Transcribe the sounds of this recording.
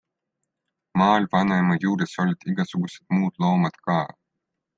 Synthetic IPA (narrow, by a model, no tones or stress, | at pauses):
mɑːlʲvɑnajmɑjuːɾesolʲit̪iɡasuɡusʲe̥t̪muːt̪lowmat̪kɑː